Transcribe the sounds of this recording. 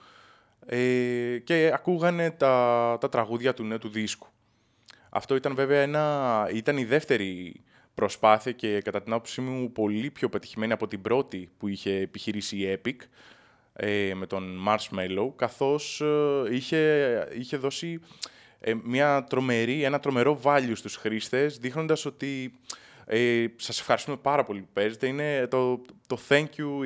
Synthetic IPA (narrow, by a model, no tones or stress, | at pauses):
ece̞ɐkuɣɐne̞t̪ɐt̪ɐt̪ɾɐɣuðʝɐt̪uneut̪uðisku̥ | ɐ̰ft̪o̞it̪ɐnve̞veɐenɐit̪ɐniðe̞ft̪e̞ɾi | pɾo̞spɐθiɐce̞kɐt̪ɐt̪inɐpopsimiupo̞lipço̞pe̞t̪i̥çime̞niɐpo̞t̪ibɾo̞t̪ipuiçe̞ːpiçiɾisiːe̞pik | eme̞t̪o̞nmɐɾsme̞loukɐθo̞siçe̞içe̞ðo̞si | emɲɐt̪ɾo̞me̞ɾie̞nɐt̪ɾo̞me̞ɾo̞vɐʎust̪usxɾist̪e̞sðixno̞nd̪ɐso̞t̪i | esɐse̞fxɐɾist̪ume̞pɐɾɐpo̞lipupe̞zet̪e̞ine̞t̪ot̪oθeɲcu